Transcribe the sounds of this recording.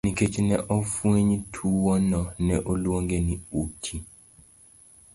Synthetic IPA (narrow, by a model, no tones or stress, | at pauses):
niket͡ʃnɛʔofweɲtʰuwɔnɔnɛʔolwoŋɡeniutʰi